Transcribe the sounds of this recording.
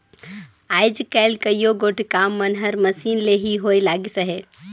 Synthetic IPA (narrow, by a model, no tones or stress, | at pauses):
aːjd͡ʒkɛlkəjoɡoːʈkaːmːɐnɦəɾmɐsiːnleɦiɦoːjlaːɡisəɦe